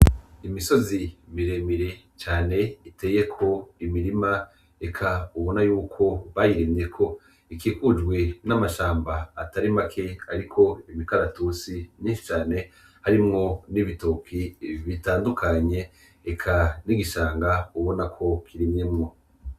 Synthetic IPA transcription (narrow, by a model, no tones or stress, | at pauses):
imiso̞zimiɾe̞miɾe̞ | t͡ʃaːne̞ite̞ːje̞kʰo̞imiɾima | ekʰauβo̞najuːkʰo̞βajiɾiːndiɾekʰo̞ | ikikud͡ʒɡwe̞namaʃaːmbaːtaɾimakʰe̞aɾikʰo̞imikaɾatusiniːʃu̥t͡ʃaːne̞ | haɾimŋo̞niβito̞kʰiβitaːndukʰaɲe̞ː | kʰaniɡiʃaːŋɡauβo̞nakʰo̞kʰiɾimɲemŋo̞